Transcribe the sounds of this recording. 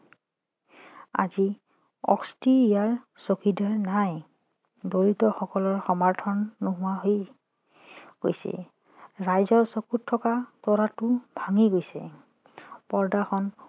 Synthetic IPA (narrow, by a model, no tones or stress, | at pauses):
a̰zi | ɔ̰kstiijaɹsokidaɹnaj | dolitɔxɔkɔlɔɹxɔmaɹtʰɔnːoɦʊwaɦoj | ɡ̥o̰jsɛ̰ | ɹajzɔɹsokutʰːɔkatɔɹatʊbʱaŋiɡojsɛ̰ | pɔɹdaxʰɔn